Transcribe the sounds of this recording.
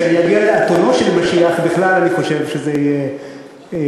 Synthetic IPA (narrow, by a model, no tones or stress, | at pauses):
aniaɡialeat̪onoʃelimaʃiaχbiχlalaniχo̞ʃevʃezejɛ